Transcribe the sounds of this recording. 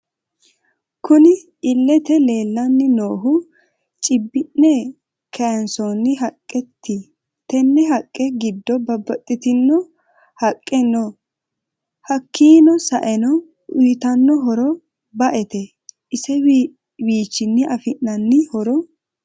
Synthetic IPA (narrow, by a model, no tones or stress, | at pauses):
kʊnɪ | ɪlːɛt̪ɛle̞ːlːɐnːɪnoːɦʊ | t͡ʃʼɪbːɪnːɛ | kʰɐɐnsɔnːɪɦɐkʼːɛt̪ʰːɪ | t̪ɛnːɛɦɐkʼːɛɡɪd̪ːɔbɐbːɐt̪ʼːɪt̪ɪnːɔ | hɐkʼːɛnɔ | hɐkːiːnɔsɐ̰ʔɛnɔ | ʔʊjt̪ɐnːɔɦɔɾɔ | bɐʔɛt̪ɛ | ʔɪsɛ | wiːt͡ʃːɪnːɪʔɐfɪʔːɐnːɪhɔɾɔ